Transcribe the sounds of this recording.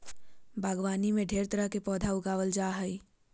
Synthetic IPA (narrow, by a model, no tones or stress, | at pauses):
bʱaːɡʋaːnimẽɖʱeːɾt̪əɾəkepɔːd̪ʱaʊɡaːʋəld͡ʒaːɦəi